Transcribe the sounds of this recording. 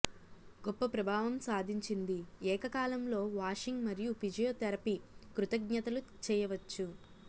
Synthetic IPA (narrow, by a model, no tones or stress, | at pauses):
ɡɔpːɐpɾɐbʱaːʋɐmsaːd̪ʱiɲt͡ʃind̪iɛːkɐkaːlɐmlo̞ːʋaːʂiŋɡmɐɾijupid͡ʒɐjoːt̪ɐɾɐpikɾut̪ɐɡɲɐt̪ɐlut͡ʃɛːjɐʋɐt͡ʃːu